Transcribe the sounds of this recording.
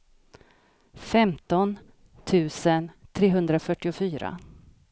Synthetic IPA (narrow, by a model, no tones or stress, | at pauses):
fɛmt̪ɔn | t̪ʰʉ̟ːsənt̪ʰɾeːɦɵnd̪ɾafœʈːɪʊfyːɾa̰